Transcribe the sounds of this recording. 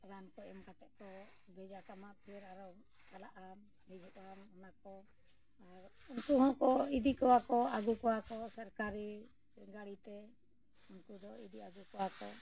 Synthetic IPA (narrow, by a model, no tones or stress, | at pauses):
ɾankɔɛmkat̪ɛʔ̚kɔ | bɛd͡ʒakamaʔpʰɛɾaɾɔ | kalaʔam | hid͡ʒuʔamɔnakɔ | aɾ | unkuɦɔ̃kɔid̪ikɔwakɔaɡukɔwakɔsaɾkaɾi | ɡaɽit̪ɛ | unkud̪ɔid̪iʔaɡukɔwakɔ